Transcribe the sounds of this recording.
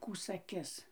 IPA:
ˈkuː sɐˈkʲɪs

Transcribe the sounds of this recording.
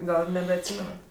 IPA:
ˈɡɐlˠ nʲɛbʲɛɐtʲˈsʲiːmʲɛnɐt

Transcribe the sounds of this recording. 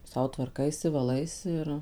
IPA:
ˈsɐʊ tʋɐrˈkɐɪsʲɪ ʋɐˈlˠɐɪsʲɪ ɪr

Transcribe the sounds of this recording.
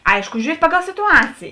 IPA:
ˈɐɪʃkʊ ʒʲuːˈrʲiɛtʲ ˈpɑːˌɡɐlˠ sʲɪtʊˈɑːt͡sʲeːjeː

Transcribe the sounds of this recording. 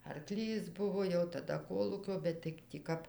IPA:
ɐrˈklʲiːs ˈbʊʋoː jɛʊ tɐˈdɐ ˈkoːlˠuːkʲoː ˈbʲɛt tɐɪ tʲiː ˈkɐp

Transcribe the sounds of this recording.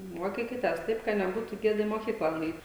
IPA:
ˈmuɔkʲiːkʲɪtʲɛs ˈtɐɪp ˈkɐ nʲɛˈbuːtʊ ˈɡʲeːdɐ iː moːˈkʲiːklˠɐ nʊˈɛɪt

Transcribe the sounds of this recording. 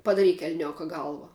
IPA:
pɐdɐˈrʲiːk ɛlʲˈnʲoːkɐ ˈɡɐlˠʋɐ

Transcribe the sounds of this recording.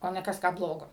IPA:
oː ˈnʲɛ ˈkɐs ˈkɑː ˈblˠoːɡoː

